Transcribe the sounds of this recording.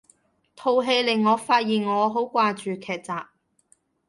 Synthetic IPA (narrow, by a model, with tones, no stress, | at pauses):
t̪ʰo˨˧wɦe˧jlɪ˨˩ŋːɔː˨˧faː˧t̚jiː˨˩nŋɔː˨˧ɦo˨˥wkʷaː˧t͡ʃyː˨kʰɛː˨k̚t͡saː˨p̚